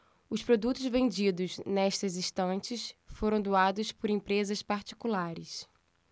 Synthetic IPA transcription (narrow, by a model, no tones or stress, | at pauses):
ʊspɾod̪ut̪ʊzvẽnd͡ʒid̪ʊznɛʃt̪ɐzĩst̪ɐ̃nt͡ʃɪsfoɾɐ̃w̃d̪uad̪ʊspʊɾẽpɾezɐspaɾt͡ʃi̥kulaɾɪs